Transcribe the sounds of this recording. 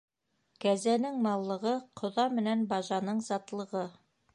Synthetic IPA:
kæzænɘŋmɑlˠːɤ̆ʁɤqʰŏðɑmɘ̆nænbɑʒɑnɤɴzɑt̪lˠɤ̆ʁɤ

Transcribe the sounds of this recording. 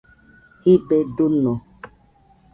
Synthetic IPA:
hibeɖunɔ̃

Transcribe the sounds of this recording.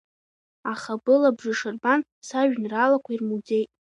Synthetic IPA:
aχabɨlabʐɨʂɨrban | saʒᶣnralakʷʰairmuze̞jtʼ

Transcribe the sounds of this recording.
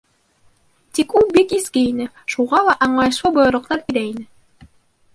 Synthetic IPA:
t̪ikulˠbikiskɘinɘ | ʃuʁɑlˠɑʔɑɴlˠɑjɤ̆ʃlˠɤbojŏɾˠɤ̆q̚t̪ɑɾiɾæinɘ

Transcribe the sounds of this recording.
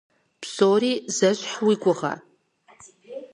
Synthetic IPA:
psoɾiːzɐɕʷħwikʷʼʊʁa̰

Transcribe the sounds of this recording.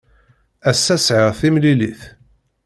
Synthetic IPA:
æsːæsʕəʁθimliliθ

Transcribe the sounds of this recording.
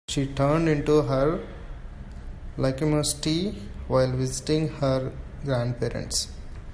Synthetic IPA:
ʃiːʈəːɾɳɖɪ̃ɳʈuɦəɾ | laɪkimosʈiʋaɪlʋɪzɪʈĩŋɡhəɾɡɾæ̃ːɳɖ̚peːɾə̰̃ɳʈs

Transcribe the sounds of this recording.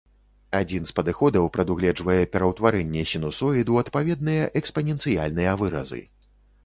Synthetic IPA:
ad͡zʲin̪spɐd̪ɨxɔd̪ɐwpɾɐd̪uɣlʲɛd͡ʐvɐjɛpʲɛɾɐwt̪vaɾɛnʲːɛsʲinusɔjid̪uɐt̪pavʲɛd̪̚nɨjɐʔɛkspɐnʲɛnsɨjalʲnɨjɐvɨɾɐ̰zɨ̰

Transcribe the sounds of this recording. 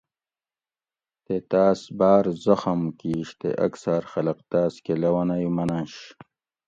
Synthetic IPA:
t̪et̪aːsbaːɾzɐxɐmkiːɕt̪ḛʔɐ̰ksaɾxɐlɐqt̪aːskelɐwɐnajumɐnaːɕ

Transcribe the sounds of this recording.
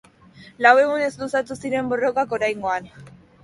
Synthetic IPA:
lawe̞ɣune̞zlusat̪usiɾe̞mbo̞ro̞kako̞ɾajŋɡo̞an

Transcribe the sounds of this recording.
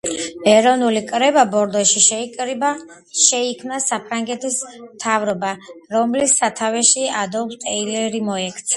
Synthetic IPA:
ɛɾɔnulikʼɾɛbabɔɾd̪ɔʃiʃʼɾ | ʃɛikʰmnasapʰɾaŋɡɛt̪ʰismt̪ʰavɾɔbaɾɔmlisːat̪ʰavɛʃiad̪ɔkst̪ʼɛilɛɾimɔɛkʰt̪sʰ

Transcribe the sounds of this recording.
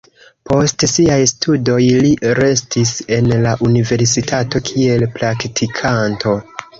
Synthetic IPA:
po̞stsiajstʰudo̞jliɾe̞stise̞nlaʔunive̞ɾsitʰato̞kʰie̞lpɾaktʰikʰantʰo̞

